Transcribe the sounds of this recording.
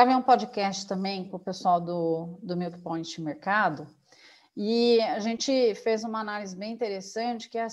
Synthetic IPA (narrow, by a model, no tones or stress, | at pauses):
avẽũpod͡ʒɪkɛst͡ʃɪ̥t̪ɐ̃mbẽj̃pʊpesʊawd̪ʊd̪ʊmewkɪ̥põj̃t͡ʃɪ̃meɾkad̪ʊ | ɪaʒẽnt͡ʃɪfezũmɐanalizɪbẽj̃ĩnt̪eɾesɐ̃t͡ʃɪ̥kɪɛɐ